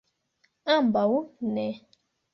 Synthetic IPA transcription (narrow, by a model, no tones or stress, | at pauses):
ãmbawunɛ